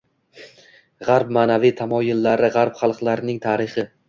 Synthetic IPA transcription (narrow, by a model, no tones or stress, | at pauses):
ʁaɾp̚maːnavijt̪ʰamɒjʊlːaɾɪʁaɾpχɑlˠqlˠaɾɪnɪŋt̪ʰaːɾɪχɪ